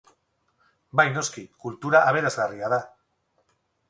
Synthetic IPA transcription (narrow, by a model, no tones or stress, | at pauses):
bajno̞skikult̪uɾaʔaβ̞e̞ɾazɣariaða